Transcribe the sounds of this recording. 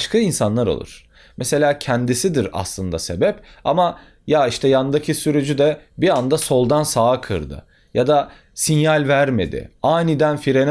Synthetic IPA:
ʃkʰainsanlˠaɾo̰lˠṵɾ̥ | mese̞lʲaːcʰænd̪isid̪iɾa̰slˠɯnd̪a̰se̞bɛpa̰ma | jaiʃt̪ʰɛjand̪acʰisyɾyd͡ʒyd̪ɛbiand̪aso̞lˠd̪ansaːkʰɯ̰ɾd̪ɯ̰ | jad̪a | sinjalʲvæɾme̞̰d̪ɪ̰aːnid̪ænfiɾen

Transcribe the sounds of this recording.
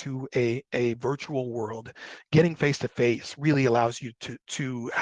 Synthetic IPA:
ɨɨɨvɜ˞t͡ʃul̩ˠwɜ˞lˠdɡ̥ɛɾɪ̃ŋfeɪstʰɨfeɪsɹɪlˠiɨlaʊzjɨɾɨɾɨ

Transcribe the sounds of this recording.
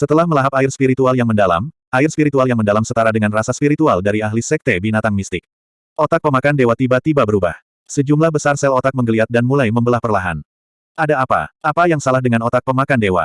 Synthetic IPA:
sət̪əlahməlaɦapaɪrspiɾit̪ualjaŋməndala̰m | ʔaɪrspiɾit̪ualjaŋməndalamsət̪aɾadəŋanrasaspiɾit̪ualdaɾiaɦlisɛk̚t̪ebinat̪aŋmist̪ɪk̚ | ʔot̪ak̚pəmakandewat̪ibat̪ibabəɾuba̰h | səd͡ʒumlahbəsarsɛlot̪ak̚məŋɡəliat̪̚danmulajməmbəlahpərlaɦa̰n | ʔadaːpa̰ʔapajaŋsalahdəŋanot̪ak̚pəmakandewa̰

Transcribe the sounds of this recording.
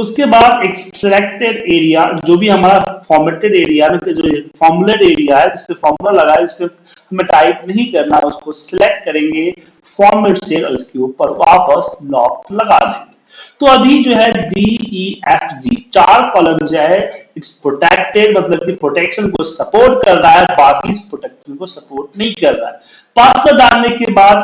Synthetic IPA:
ʊskebaːd̪ekssɪlek̚ʈeɖeːɾijad͡ʒoːbʱiɦɐmaːɾafɔːɾmeʈeɖeːɾijaɦɛmẽked͡ʒoːfɔːɾmʊleɖeːɾijaɦɛd͡ʒɪsmefɔːɾmʊlaɾlɐɡaːɪsme | hɐmẽʈaːɪknɐɦĩkɐɾnaʊskosɪlek̚ʈ̚kɐɾẽːŋɡe | fɔːɾmeɖsʈeːɾɔ̰ɾɪskeuːpəɾʋaːpəslɔːklɐɡa̰d̪ḛ̃ːŋɡe | t̪oɐbʱid͡ʒoːɦɛɖiːiɛfd͡ʒiːt͡ʃaːɾkɔːlə̃md͡ʒaɦɛɪkspɾoʈɛːkʈeɾmɐt̪ləb̚kipɾoːʈɛkʃənkosɐpoːɾʈkɐɾɾaɦɛbaːkiɪspɾoːʈɛkʃənkosɐpoːɾʈnɐɦĩkɐɾːa̰ɦɛ | paskəd̪aːnnekebaːd̪

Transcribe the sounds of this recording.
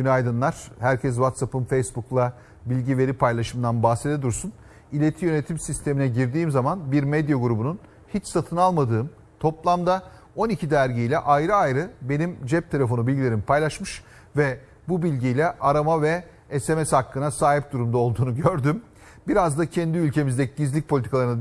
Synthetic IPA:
ɟynajd̪ɯnlˠaɾ̥hæɾcʰɛs̬vat̪sapɯmfejsbuklˠa | bilʲɟive̞ɾipʰajlˠaʃɯmd̪anbahsed̪ed̪uɾsun | ilʲe̞t̪ʰijø̞ne̞t̪ʰimsist̪ʰe̞minɛɟiɾd̪iːmzamanbiɾmɛd̪jaɡuɾubunun | hit͡ʃsat̪ʰɯnalˠmad̪ɯːm | t̪ʰo̞plˠamd̪a | o̞nicʰid̪æɾɟijlʲɛʔajɾɯajɾɯbe̞nimd͡ʒɛp̚t̪ʰe̞lʲe̞fo̞nubilʲɟilʲeɾimpʰajlˠaʃmɯʃ | vɛ | bubilʲɟijlʲɛʔaɾamavɛ | ɛsemɛshakːɯnasaːɦip̚d̪uɾumd̪ao̞lˠd̪uːnuɟøɾd̪ym | biɾazd̪acʰɛnd̪iylʲcʰe̞mizd̪ɛciɟizlʲic̚pʰolʲit̪ʰikʰalˠaɾɯn

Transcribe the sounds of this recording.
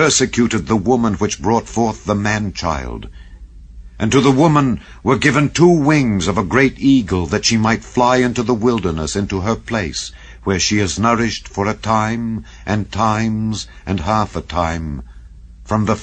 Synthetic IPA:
ɜ˞sɨkʰj̥ʉɾɨd̪̚ðəwʊmə̃nwɨt͡ʃb̥ɹɔtfɔɹθðəmæ̃nt͡ʃʰa̰ɪlˠd | ʔɨ̃ntɨðəwʊmə̃n | wə˞ɡɪvɨ̃ntʰuwɪ̃ŋzʌvəɡɹeɪɾiɡl̩ˠðɨtʃimaɪtflaɪɪ̃ntuðəwɪlˠdə˞nəsɪ̃ntuə˞pʰl̥eɪs | wə˞ʃiɨznɜ˞ɪʃtfə˞ɨtʰãɪ̃m | ʔɨ̃ntʰãɪ̃mz | ʔɨ̃nɦæfətʰãɪ̃ɱ | fɹʌ̃mðə

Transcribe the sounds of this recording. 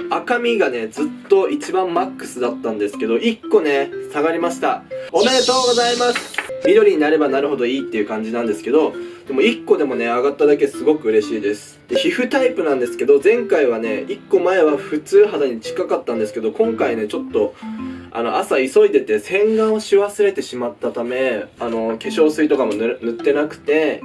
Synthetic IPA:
akamʲiɡane̞d͡zɨt̪ːo̞ʔit͡ɕibãmːakːɯ̥sɨd̪at̪ːãnd̪e̞sɨ̥ke̞d̪o̞ʔikːo̞ne̞saɡaɾʲimaɕi̥t̪aome̞ɾe̞t̪o̞ːɡo̞zaimasɨ̥id̪o̞ɾʲiɲ̟inaɾe̞banaɾɯ̟ɦo̞d̪o̞iːt̪ːe̞iɯ̟kãɲ̟d͡ʑinãnd̪e̞sɨ̥ke̞d̪o̞d̪̥e̞mo̞ikːo̞d̪e̞mo̞ne̞aɡat̪ːad̪ake̞sɨɡo̞kɯ̟ɯ̟ɾe̞ɕiːd̪e̞sɨ̥d̪̥e̞çiɸɯ̟t̪aipɯ̟nãnd̪e̞sɨ̥ke̞d̪o̞zẽ̞ŋkaiβane̞ikːo̞mae̞β̞aɸɯ̟t͡sɨːɦad̪aɲ̟it͡ɕi̥kakat̪ːãnd̪esɨ̥ke̞d̪o̞kõ̞ŋkaine̞t͡ɕo̞t̪ːo̞a̰noʔasaiso̞id̪e̞t̪e̞sẽ̞ŋɡãɰ̃õɕiβasɨɾe̞t̪e̞ɕimat̪ːat̪ame̞ano̞ke̞ɕo̞ːsɨit̪o̞kamo̞nnɯ̟t̪ːe̞nakɯ̟̥t̪e̞

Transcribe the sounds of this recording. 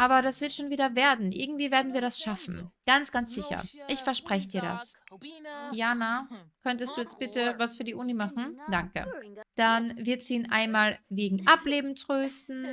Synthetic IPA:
ʔaːbɐɾasv̥ɪɐtʃoːnviːɾɐveːɐdn̩ʔɪ̰ɐɡŋ̩tv̥iːveːɐdn̩viːɐɾasʃafn̩ɡ̥ant͡sɡ̥ant͡sz̥ɪçɐ̰ʔɪçfɛɐʃpʁ̥ɛçədiːɐɾa̰s | jaːnakʰœntəstd̥uːjɛt͡stb̥ɪtəvasfyːɐdiːʔʊnimaχn̩d̥aŋkə̰d̥anvɪɐtz̥iːnʔa̰ɪnmaːlveːɡŋ̩ʔapleːbm̩tʁ̥øːstn̩

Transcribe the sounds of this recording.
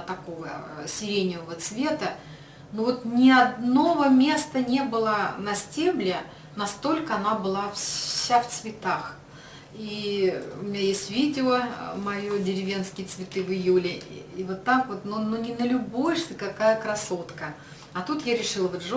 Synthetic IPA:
t̪ɐko̞vəsʲɪɾʲenʲɪvəvət̪svʲe̞t̪ə | novot̪nʲɪɐd̪no̞vəmʲe̞st̪ənʲebɨlˠənɐsʲtʲemlʲɪ | nɐst̪o̞lʲkəɐnabɨlˠafsʲaft̪svʲɪt̪ax | iʊ̰mʲɪnʲajesʲtʲvʲidʲɪomɐjodʲɪɾʲɪvʲe̞nskʲɪjət̪svʲɪt̪ɨvɨjulʲɪivot̪ːakvot̪nononʲɪnəlʲʊbojʂt̪ʲɨkɐkajəkɾɐso̞t̪kə | ɐt̪ut̪jaɾʲɪʂɨlˠvʐ

